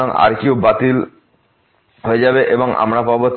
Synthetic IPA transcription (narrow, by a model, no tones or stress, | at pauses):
oŋa̰ɾkiubat̪il | ɦoed͡ʑabeʔeboŋa̰mɾapɔboɾt̪